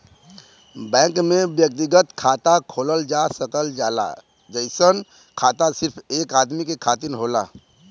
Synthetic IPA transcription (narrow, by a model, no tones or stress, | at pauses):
bɛ̃ːŋkmẽʋjək̚t̪iɡət̪kʰaːt̪akʰoːləld͡ʒaːsəkəld͡ʒaːla̰ | d͡ʒəɪsən | kʰaːt̪asɪɾpʰeːkaːd̪mikekʰaːt̪ɪɾɦoːla̰ː